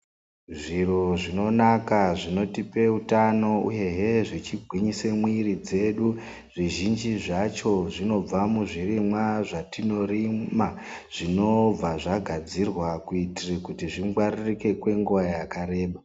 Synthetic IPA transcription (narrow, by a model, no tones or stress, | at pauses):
ʐiro̞ʐino̞nakaʐino̞tipe̞utano̞ṵje̞ɦe̞ʐit͡ʃiɡʱwiɲisemwirid͡ze̞ɗu | ʐ̥iʒind͡ʒiʐat͡ʃo̞ʐino̞b͡vamuʐirimwaʐatino̞ɾima | ʐ̥ino̞b͡vaʐaɡʱad͡zirwakuitirekutiʐiŋɡwaririke̞kwe̞ŋɡuʋajakaɾe̞ːɓa